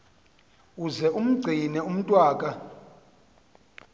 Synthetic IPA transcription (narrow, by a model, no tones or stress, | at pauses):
uzɛʔum̩ɡ͡ǀʱinɛum̩tʼwaːkʼa